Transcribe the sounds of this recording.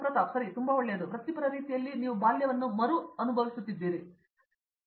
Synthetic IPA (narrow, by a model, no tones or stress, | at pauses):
pɾɐt̪asɐɾit̪umbɐoɭːjɐd̪upɾɐt̪ipɐɾɐɾiːt̪ijɐlːiniːʋubaːljɐʋɐnːumɐɾuɐnubʱɐʋisut̪ːid̪ːiːɾi